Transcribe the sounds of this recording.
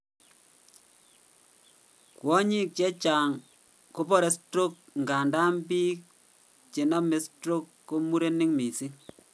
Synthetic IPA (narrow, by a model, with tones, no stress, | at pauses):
kwɔ˦ɲi˦k̚t͡ʃɛ˦t͡ʃaː˨ŋ | ko˦pɔ˦ɾe˦stɾo˦k̚ŋɡa˨nda˦mbiː˦ | t͡ʃe˨nɔ˦me˨˦stɾo˦kːo˦mu˦ɾe˦ni˦ŋmi˨si˦